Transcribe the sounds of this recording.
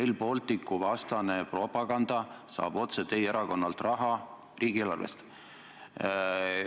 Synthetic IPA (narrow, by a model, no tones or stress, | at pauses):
ejlpo̞lt̪ˑikːuvɑst̪ɑne̞pro̞pːˑɑɡ̥ɑnd̪̥ɑsɑ̰ːb̥o̞t̪se̞t̪e̞je̞ɾɑko̞nːɑlt̪rɑɦɑ | riːɡ̥ielɑ̰rvḛst̪